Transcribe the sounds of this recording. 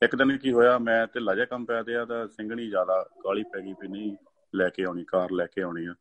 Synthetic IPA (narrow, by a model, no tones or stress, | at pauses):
ɪkd̪ɪnkiːɦoːjaːmɛ̃ːt̪eːlaːd͡ʒɛːkəmpɛːd̪eːaːt̪ãːsɪ̃ŋɡɳiːzjaːd̪aːɡaːɭiːpɛːɡiːpiːnə̃ĩː | lɛːkeːoːniːkaːɾlɛːkeːaːniːɛː